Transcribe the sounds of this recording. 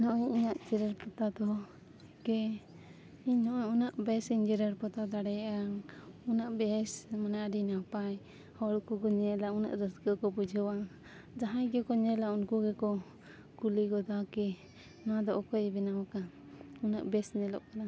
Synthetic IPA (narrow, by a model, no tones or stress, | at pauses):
nɔʔɔɲiɲaʔd͡ʒɛɾəɾpɔt̪ad̪ɔ | kɛ | iɲnɔʔɔunaʔbɛsiɲd͡ʒɛɾəɾpɔt̪ad̪aɽɛjaŋunaʔbɛsmanaaɖinapaj | hɔɽkuɡɔɲɛlauna̰ʔɾəsɡəkɔpud͡ʒʱəwa | d͡ʒaɦãjɡɛkɔɲɛlaunkuɡɛkɔ | kuliɡɔd̪akɛ | nɔwad̪ɔʔɔkɔjɛbɛnawaka | una̰ʔbɛsɲɛlɔ̰ʔkana